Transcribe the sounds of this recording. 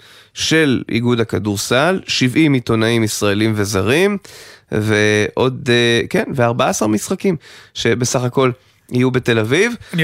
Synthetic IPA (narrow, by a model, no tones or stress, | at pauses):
ʃe̞lʔḭɡudhakaduʁsalʃivimito̞naimisʁaelimve̞zaʁimveʔo̞dke̞nveaʁbaasaʁmisχakimʃe̞be̞saχako̞l | ijube̞te̞laviv